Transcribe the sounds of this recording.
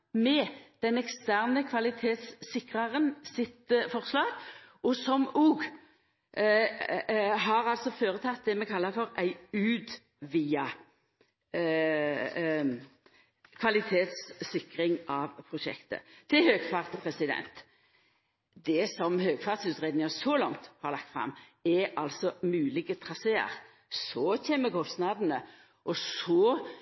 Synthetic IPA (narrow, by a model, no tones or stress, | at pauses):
mɛd̪̥ɛnɛkst̪æʁnəkʰʋɑlɪt̪ʰeːt̪sːɪkʁɑʁənsɪt̪fɔʁslɑːɡʔɔsɔmuːɡ | ɦɑːʁɑlsɔføːʁət̪ʰɑt̪̚d̪ɛmɛkʰɑlːəɾfɔɾæɪʉːd̪ | ʋiːɑ | kʰʋɑlɪt̪ʰeːt̪sːɪkɾɪŋɑʋpʰʁʊʃɛ̰kt̪ə̰t̪ʰːɪlhøːɡ̥fɑʁt̪pʰʁɛsɪd̪ɛ̰nt̪ | d̪ɛsɔmhøːɡ̥fɑːʁt̪sʉːt̪ʁeːd̪nɪŋəsɔlɔŋt̪hɑɾlɑk̚t̪fʁɑ̰mːɛʔɑlsɔmʉːlɪɡət̪ʰʁɑseːə̰ɾ | sɔçɛːmːəkʰɔst̪nɑd̪ənə | ʔɔsɔ